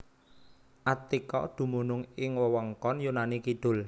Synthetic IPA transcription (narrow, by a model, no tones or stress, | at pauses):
ʔat̪ikɔ̰d̪̥ṳmunʊŋɪŋwɔwɔŋkɔnjunanikid̪̥ʊ̤l